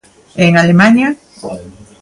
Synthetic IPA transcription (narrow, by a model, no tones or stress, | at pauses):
eŋalemaɲa